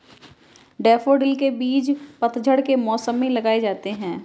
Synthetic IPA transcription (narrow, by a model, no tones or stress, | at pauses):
ɖɛːfoɖɪlkebiːt͡ʃpɐt̪d͡ʒʱəɽkemɔːsəmːĩlɐɡaːed͡ʒaːt̪eɦɛ̃ː